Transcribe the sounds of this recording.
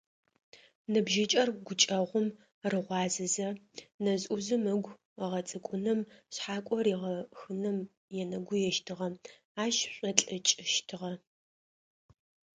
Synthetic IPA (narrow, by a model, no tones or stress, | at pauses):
nɨbʒɪt͡ʃʼɐrɡʷʊt͡ʃʼɐʁʷʊm | rɨʁʷɑːzɨzɐnɐzʼʔuzɨmɐɡʷ | ʁɐt͡sʼɨkʷʼʊnɨmɕħaːkʷʼɔriʁɐxɨnɨm | jɛnɐɡʷʊjɛʃtʰɨʁɐm | aːʃɕʷʼɐɬʼɐt͡ʃʼɪʃtʰɨʁɐ